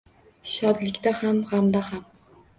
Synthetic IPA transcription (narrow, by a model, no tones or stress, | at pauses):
ʃɒd̪lɪkʲt̪ahamʁamd̪aham